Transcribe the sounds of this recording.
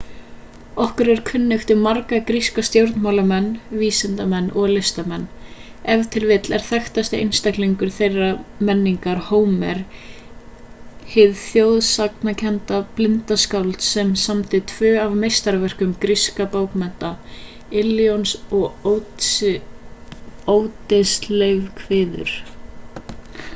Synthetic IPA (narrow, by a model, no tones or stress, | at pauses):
ɔhkʏɾɛɾ̥kʰʏnːɪʏft̪ɪɾmaɾkakɾiskast̪jowɾt̪nmawlamɛnːviːsɪnt̪amɛnːʔɔɣlɪst̪amɛnː | ɛvt̪ʰɪlvɪt̪lɛɾ̥θɛxt̪ast̪ɪʔḛjnst̪akliŋkʏɾ̥θejramɛnːiŋkaɾ̥hoːwmɛɾ̥ | hɪðθjowðsaknacʰɛnt̪aplɪnt̪askawlt̪sɛmsamt̪ɪt̪ʰvʏːavmejst̪aɾvɛr̥kʏmkɾiskapoːwkmɛn̥t̪a | ɪljonsɔɣow | owt̪ɪsleɥvkʰvɪːðʏ̰ɾ̥